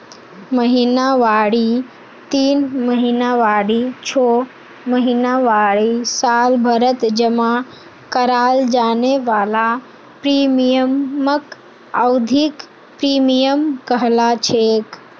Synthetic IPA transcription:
məɦinaʋaɽi | t̪iːnməɦinaʋaɽit͡ʃʰo | məɦinaʋaɽisalbʱəɾət̪d͡ʒəmã | kəɾald͡ʒaneʋala | pɾimijəmək | əwd̪ʱik | pɾimijəmkəɦlat͡ʃʰek

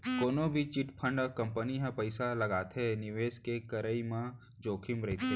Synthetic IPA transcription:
koːnobʱit͡ʃɪʈpʰə̃ɳɖkɐmpəniɦãpəɪsalɐɡaːt̪ɦenɪʋeːskekəɾəimã | d͡ʒoːkʰɪmɾɐɦit̪ʰe

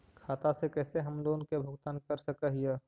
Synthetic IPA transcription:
kʰaːt̪asekɛːseɦɐmloːnkebʱʊɡt̪aːnkəɾsəkəɦije

